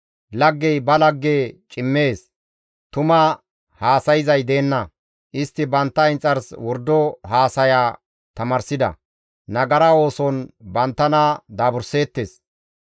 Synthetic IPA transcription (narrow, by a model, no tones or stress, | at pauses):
lɐɡːɛjbɐlɐɡːeːt͡ʃʼɪmːe̞ːs | t̪ʊmɐ | haːsɐjɪzɐjd̪e̞ːnːɐ | ʔɪst̪ːɪbɐnt̪ːɐɪnt͡sʼːɐɾswɔɾd̪ːɔɦaːsɐjaː | t̪ɐmɐɾsɪd̪ɐ̰ | nɐɡɐɾɐo̞ːsɔnbɐnt̪ːɐnad̪aːbʊɾse̞ːt̪ːeːs